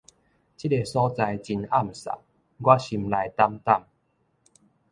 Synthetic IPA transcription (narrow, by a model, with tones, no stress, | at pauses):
t͡ɕi˦˥e˧sɔ˦t͡sa˧jt͡ɕi˧na˥˨m̩˨sa̰˨ | ɡwa˦ɕi˧mla˧jt̪a˦mt̪a˥˨m